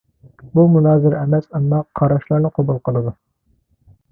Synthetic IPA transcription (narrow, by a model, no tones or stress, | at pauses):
bumunɑːzɪɾɛmɛt̪ɑnd̪ɑqqʰːɑɾɑʃlˠɑɾnɨqʰobulˠqʰəlˠɨd̪u